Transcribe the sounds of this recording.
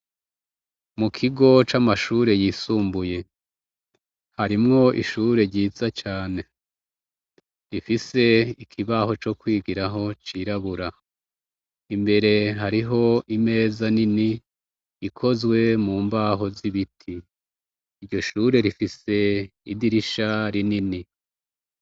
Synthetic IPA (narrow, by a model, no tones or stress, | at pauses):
mukʰiɡo̞t͡ʃamaʃuːɾe̞jiːsuːmbuje̞ | haɾimŋo̞ʔḭʃuɾe̞ɾɟiːzat͡ʃaːne̞ | ɾifise̞ikʰiβaho̞t͡ʃo̞kwiːɡiɾaɦo̞t͡ʃiɾaβuɾa | imbe̞ɾe̞ɦaɾiɦo̞ime̞ːzanini | ikʰo̞zɡwe̞muːmbaɦo̞ziβitʰiː | ɾɟo̞ʃuːɾe̞ɾifise̞idiɾiʃaɾinini